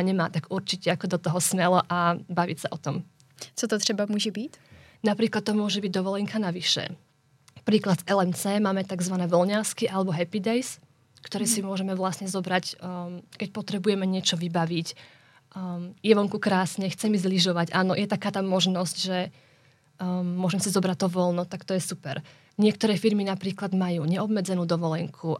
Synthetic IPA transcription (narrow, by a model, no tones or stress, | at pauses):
ɲɛmaːt̪aɡuɾt͡ʃicɛakɔd̪ɔt̪ɔɦɔsmɛlɔʔabaʋicsaʔɔt̪ɔm | t͡ʃɔt̪ɔt̪ɾɛbamɔʒɛbic | napɾiːklˠat̪̚ːɔmʊɔʒɛbiɟ̚d̪ɔʋɔlɛŋkanaʋiʃɛ̰ | pɾiːklad̪ɛlɛmt͡sɛːmaːmɛt̪aɡzʋanɛːʋɔlɲaːskiʔalɛbɔɦɛpid̪ɛjs | kt̪ɔɾɛːsimʊɔʒɛmɛʋlasɲɛzɔbɾacːkɛc̚pɔt̪ɾɛbujɛmɛɲɪɛt͡ʃɔʋibaʋic | jɛʋɔŋkukɾaːsɲɛxt͡sɛmizliʒɔʋaɟaːnɔjɛt̪akaːt̪amɔʒnɔzɟʒɛ | mʊɔʒɛmsizɔbɾac̚t̪ɔʋɔlnɔt̪akt̪ɔjɛsupɛ̰ɾ | ɲɪɛkt̪ɔɾɛːfiɾminapɾiːklad̪majuːɲɛɔbmɛd͡zɛnuːd̪ɔʋɔlɛŋkʰu